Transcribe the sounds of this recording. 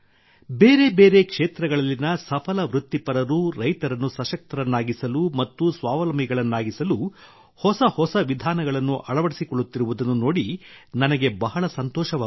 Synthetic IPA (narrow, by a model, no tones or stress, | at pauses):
beːɾe̞beːɾe̞kʂeːt̪ɾɐɡɐɭɐlːinɐsɐpʰɐlɐʋɾut̪ːipɐɾɐɾuɾɐjt̪ɐɾɐnːusɐʃɐk̚t̪ɐɾɐnːaːɡisɐlumɐt̪ːusʋaːʋɐlɐmiɡɐɭɐnːaːɡisɐlu | hɔsɐhɔsɐʋid̪ʱaːnɐɡɐɭɐnːuʔɐɭɐʋɐɽisikɔɭːut̪ːiɾuʋud̪ɐnːuno̞ːɽinɐnɐɡe̞bɐɦɐɭɐsɐnt̪ɔːʃɐʋaː